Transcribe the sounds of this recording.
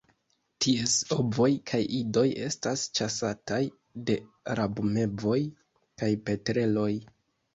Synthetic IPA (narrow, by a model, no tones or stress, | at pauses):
tʰieso̞bvo̞jkʰajʔido̞je̞stast͡ʃasataj | de̞ɾabume̞bo̞j | kajpe̞tɾe̞lo̞j